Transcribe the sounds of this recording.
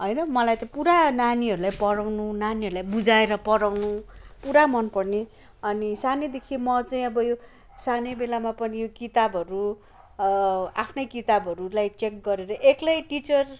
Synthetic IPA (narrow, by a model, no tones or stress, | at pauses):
ɦʌjnʌmʌlajt͡saĩpuɾananiʌɾulajpʌɾawnunaniʌɾulajbud͡zaeɾʌpʌɾawnupuɾamʌnpʌrne | ʌnisaned̪ekʰimʌt͡saĩʌbʌjo | sanebelamapʌnijokit̪abʱʌɾu | apʰnʌjkit̪abʱʌɾulajt͡ʃek̚ɡʌɾeɾʌʔeklajʈit͡sʌr